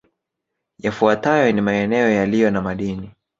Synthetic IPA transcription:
jafuatajɔnimaɛnɛɔjalijɔnamaɗini

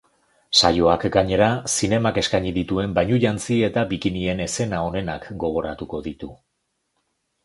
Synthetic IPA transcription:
sa̰jo̞akɡaɲe̞ɾasine̞make̞skaɲiðit̪ue̞mbaɲuʎant͡sie̞t̪abikinie̞ne̞se̞nao̞ne̞nakɡo̞ɣ̞o̞ɾat̪uko̞ðit̪u

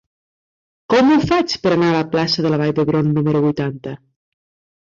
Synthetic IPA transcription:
kɔmufat͡ʃpəɾanaːləplasəðəlaβ̞ajðəβɾonːuməɾuβujt̪ant̪ə

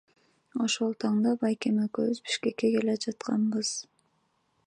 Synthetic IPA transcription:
o̞ʃolˠt̪ʰɑɴd̪ɑbɑjkemekøzbi̥ʃke̞kːeke̞led͡ʒɑt̪qɑ̰nbɯz̥

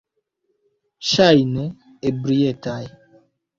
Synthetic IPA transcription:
ʃajinɛ | ebɾijɛtaj

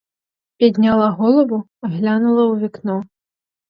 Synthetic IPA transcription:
pʲɛd̪ʲnʲalˠaɣɔlˠɐbu | aɣlʲanulˠɐwvʲiknɔ

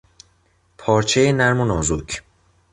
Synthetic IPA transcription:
pʰɒːɾt͡ʃʰejenæɾmonɒːzucʰ

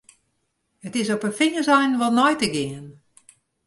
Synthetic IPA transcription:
ətɪsɔpəfɪɲəsɛjnʋɔlˠnɔjtəɡɪən

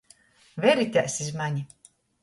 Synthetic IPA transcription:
vʲɛɾit̪ʲæsizmaɲʲi

